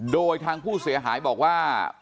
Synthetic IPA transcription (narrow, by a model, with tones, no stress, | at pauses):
doː˧jt̪ʰaː˧ŋpʰuː˥˩si˨˩˦ɐɦa̰ː˩˦jbɔː˨˩k̚waː˥˩